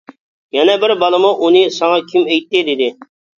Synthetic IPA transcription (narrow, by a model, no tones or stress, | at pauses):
jɛnɛbɪɾbɑlˠɨmʊʔunɨsɑŋɑkʲʰɪmɛjt̪ːɪd̪ɪd̪ɪ